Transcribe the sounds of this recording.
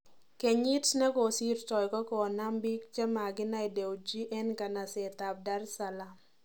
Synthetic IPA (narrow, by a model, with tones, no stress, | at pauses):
ke˨ɲi˦tsnɛ˦kɔ˨si˦rt͡ʃɔ˨jkɔ˦kɔ˨na˦mbi˦k̚t͡ʃe˦ma˨ɡɪ˦na˦i˨de˨wd͡ʒi˦ʔɛ˦nka˨na˨se˨t̪a˨b̚da˦rsa˨la˨